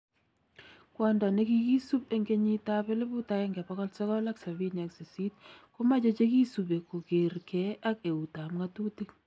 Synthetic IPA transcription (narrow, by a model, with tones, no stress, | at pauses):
kwa˨nda˨ne˦ki˦ki˦su˦pe˦ŋɡe˦ɲi˦ta˦pɛ˦lɪ˦bu˦ta˦jɛ˦ŋɡɛ˨pɔ˦kɔ˦lsɔ˦kɔ˦la˦ksa˨βi˦na˨kse˨si˦tko˦ma˦t͡ʃe˦t͡ʃe˦ki˦su˨be˨ko˨ke˨ɾkɛ˨˦a˦ke˨u˨ta˨mŋa˦tu˦ti˦k